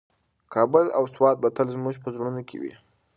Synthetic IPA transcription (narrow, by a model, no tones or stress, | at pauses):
kʰɑbʊla̰wswɑt̪̚bat̪əlzmuʒpəzɽunokʰḛwḭ